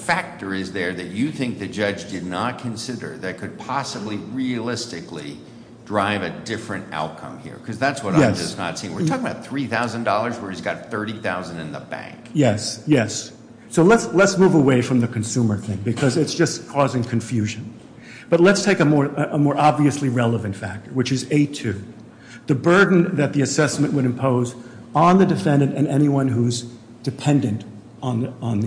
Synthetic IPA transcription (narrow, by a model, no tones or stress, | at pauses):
fæk̚tə˞ɪzðə˞ðɨt͡ʃɨθɪ̃ŋk̚ðɨd͡ʒʌd͡ʒdɨdⁿnət̚kʰɨ̃nsɪɾə̰˞ðɨt̚kʰɨd̚pʰɑsəbliɹiɨlɪstɨklḭ | dɹaɪvɨdɪfɹɨ̃nta̰ʊt̚kʰʌ̰̃mhḭɹkʰʌzðætswʌɾãjɛd͡ʒʌsnə̰tsĩɪ̃ŋwɨɹtʰɔkɪ̃ŋəbaʊt̪̚θɹiθaʊzɨ̃ndɔlˠə˞zwə˞izɡɑt̪̚θɜ˞ɾiθaʊzɨ̃n̩dɨ̃nðəbæ̰̃ŋkjɛsjɛsː | oʊlətslətsmuvəweɪfɹʌ̃mðɨkʰɨ̃nsũmə˞θɪ̃ŋbɨkʰʌzɨtsd̥ʒ̥ʌskʰɔzɪ̃ŋkʰɨ̃ɱfjʉʒɨ̃n | b̥ʌtˡlətstʰeɪkɨmɔɹəmɔɹʔɑbviɨsliɹɛlˠəvɨ̃ntfæ̰k̚tə˞wɨt͡ʃɨzeɪtʰʉ | ðɨbɜ˞dⁿn̩ðɨt̪̚ðiɨsɛsmɨ̃nʔwɨɾɨ̃mpʰoʊzn̩ðɨdɨfɛ̃ndɨ̃ɾɨ̃nɛñiwʌ̃nɦuz | d̥ɨpʰɛ̃ndɨ̃nt | n̩n̩ð